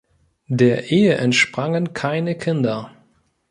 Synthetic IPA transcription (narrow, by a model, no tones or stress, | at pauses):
deːɐʔeːəʔɛntʃpʁ̥aŋənkʰaɪnəkʰɪndɐ